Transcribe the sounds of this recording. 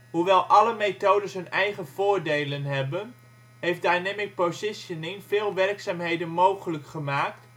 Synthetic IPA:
ɦuʋɛlˠʔɑləmetoːdəsɦɵnɛjχəv̥ʊːɹdejlənɦɛbən | ɦejfdajnɛmɪk̚pozɪsənɪŋvɪːlˠʋɛrksaːmɦejdənmowχələkχəmaːkt

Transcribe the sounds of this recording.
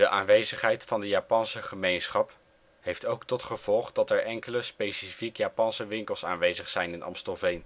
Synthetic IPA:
d̥əʔaːnʋejzəχɦɛjtfɑndəjaːpɑnsəχəmejnsχɑp | ɦejftowktɔtχəv̥ɔlˠχdɑtɛɹʔɛŋkələspejsifikjaːpɑnsəʋɪŋkəlˠsa̰ːnʋejzəχsɛjnɪnɑ̰mstəlˠvejn

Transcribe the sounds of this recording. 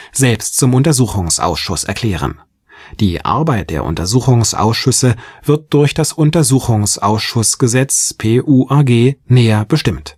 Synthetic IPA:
z̥ɛlpstt͡sʊmʔʊntɐzuːxʊŋsʔa̰ʊsʃʊsɛ̰ɐkʰl̥ɛːʁ̞ə̰n | d̥iːʔa̰ɐbaɪt̚d̥ḛːɐʔʊ̰ntɐzuːxʊŋsʔa̰ʊsʃʏsəv̥ɪɐt̚d̥ʊɐçd̥asʔʊntɐzuːxʊŋsʔa̰ʊsʃʊsɡ̥əzɛt͡spʰeːʔuːʔaɐɡeːnɛːɐb̥əʃtɪmt

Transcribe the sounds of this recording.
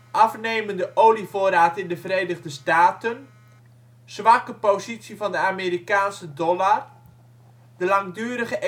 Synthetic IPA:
ʔɑfnejməndəʔoːlivoəɾaːtɪndəvrejdəɣdəstaːtən | sʋakəpozitsivɑndəameːɾikaːnsədɔlar | d̥əlɑŋdyːɾəχəʔ

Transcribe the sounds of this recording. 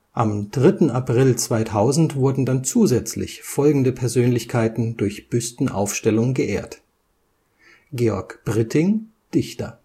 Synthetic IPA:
ʔamd̥ʁɪtn̩apʁ̥ɪlt͡sv̥aɪtʰaʊzn̩tv̥ʊɐdn̩dant͡suːzɛt͡slɪ̰çfɔlɡŋ̩dəpʰɛɐzøːnlɪçkʰaɪtn̩dʊɐçb̥ʏstn̩ʔa̰ʊfʃtɛlʊŋəɡəʔeːɐt | ɡ̥eːɔɐkb̥ʁɪtʰɪŋ | d̥ɪçtɐ̰

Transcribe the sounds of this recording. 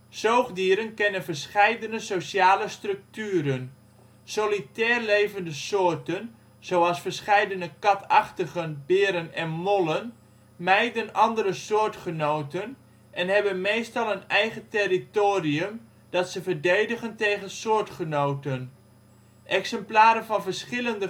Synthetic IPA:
sowχdiːɾənkɛnənvəɹsχɛjdənəsosjaːləstrɵk̚tyːɾən | solitɛːrlejvəndəsʊːrtən | z̥owɑlˠsfəɹsχɛjdənəkɑtʰɑχtəɣənbɪːɾənɛnmolˠən | mɛjdənɑndəɾəsʊːɹtχənowtən | ʔɛnɦɛbənmejstɑlˠənɛjχətɛritoːriəm | d̥ɑtsəvəɹdejdəχəntejχənsʊːɹtχənowtən | ʔɛksɛmplaːɾənvɑnvəɹsχɪləndə

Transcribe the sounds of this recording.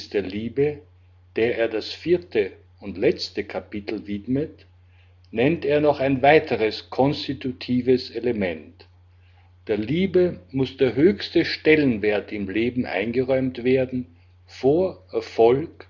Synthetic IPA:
sd̥eːɐliːbə | d̥eːɐeːɐdasfiːɐtʰə | ʊntlɛt͡stəkʰapɪtʰl̩vɪdmət | nɛnteːɐnɔχaɪnvaɪtʰəʁəskʰɔnstitutʰiːvəseləmɛnt | d̥eːɐliːbəmʊsd̥eːɐɦøːçstəʃtɛlənveːɐtɪmleːbm̩ʔa̰ɪnɡəʁɔʏmtv̥eːɐdn̩ | foːɐʔɛɐfɔlk

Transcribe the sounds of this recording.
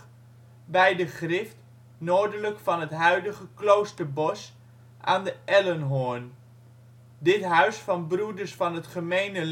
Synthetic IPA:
bɛjdəχrɪft | noːɹdələkfɑnɦətɦœɥdəɣəklowstəɹbɔs | ʔaːndəʔɛlənɦoːɹn | dɪtɦœɥsfɑnbrudəɹsfɑnɦətχəmejnəl

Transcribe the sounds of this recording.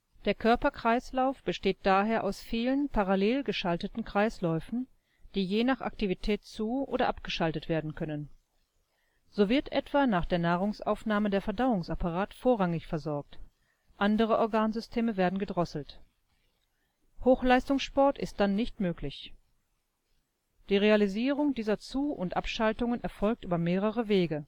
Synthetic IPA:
d̥eːɐkʰœɐpɐkʁ̥aɪslaʊfb̥əʃteːt̚d̥aːɦeːɐʔaʊsfiːlənpʰaʁaleːlɡəʃaltətn̩kʁ̥aɪslɔʏfn̩ | d̥iːjeːnaχʔa̰ktivitʰɛːtt͡suːʔo̰ːdɐʔap̚ɡ̥əʃaltətv̥eːɐdn̩kʰœnən | z̥oːvɪɐtʔɛtv̥aːnaːχd̥eːɐnaːʁ̞ʊŋsʔa̰ʊfnaːmədeːɐfɛɐdaʊʊŋsapaʁaːtfoːɐʁaŋɪçfɛɐzɔɐk̚t | ʔandəʁəʔɔɐɡaːnzʏstʰeːməveːɐdn̩ɡədʁɔsl̩t | hoːxlaɪstʊŋsʃpɔɐtʔɪ̰st̚d̥anːɪçtmøːklɪç | d̥iːʁealiziːʁ̞ʊŋdiːzɐt͡suːʊntʔa̰pʃaltʊŋənʔɛɐfɔlk̚tʔyːbɐmeːʁ̞əʁəveːɡə

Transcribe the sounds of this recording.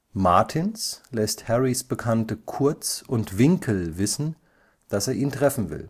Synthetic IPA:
maɐtʰɪnslɛsthɛʁisb̥əkʰantəkʰʊɐt͡sʊntv̥ɪŋkʰl̩vɪsn̩ | d̥aseːɐʔiːntʁ̥ɛfn̩vɪ̰l

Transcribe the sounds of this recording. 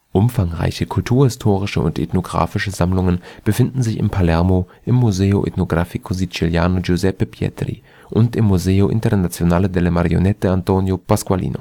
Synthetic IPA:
ʔʊmfaŋʁa̰ɪçəkʰʊltʰuːɐhɪstʰoːʁɪʃəʊ̰ntḛtnoɡʁa̰ːfɪʃəzamlʊŋənb̥əfɪndn̩zɪçɪ̰mpʰalɛɐmo | ʔɪmːuzeːʊʔḛtnoɡʁafikʰozit͡siljaːnod͡ʒozɛpəpʰjɛ̰trḭ | ʔʊntɪmːuzeːoʔɪ̰ntɐnat͡sjonaːlədeləmaʁio̰nɛt̚əantʰonjopʰaskwalḭːno̰

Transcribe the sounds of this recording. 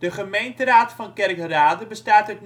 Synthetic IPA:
d̥əχəmejntəraːtfɑnkɛrkəraːdəbəstaːtat̚n

